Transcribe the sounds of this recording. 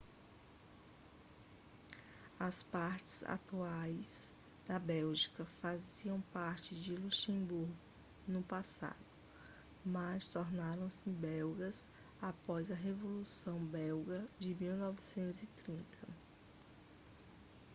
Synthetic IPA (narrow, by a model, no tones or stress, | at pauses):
ɐspaɾt͡ʃɪ̥z̥a̰t̪uajz̥ | d̪ɐbɛwʒikɐfaziɐ̃w̃paɾt͡ʃɪd͡ʒɪluʃẽbuɾɡʊ | nʊpasa̰d̪ʊ | mɐst̪oɾnaɾɐ̃w̃sɪbɛwɡɐz | apɔzɐɦevolusɐ̃w̃bɛwɡɐd͡ʒɪmiwnɔvɪsẽnt̪ʊzɪt̪ɾĩnt̪ʰɐ